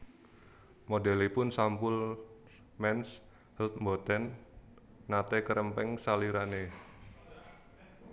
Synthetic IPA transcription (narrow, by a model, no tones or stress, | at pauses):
modɛlepʊnsampʊl | mɛns | həlt̪̚mbot̪ɛnː | at̪ekəɾəmpɛŋsaliɾane